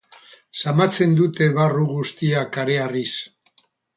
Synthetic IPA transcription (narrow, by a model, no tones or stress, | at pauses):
samat͡se̞nd̪ut̪e̞βaruɣust̪iakaɾe̞aris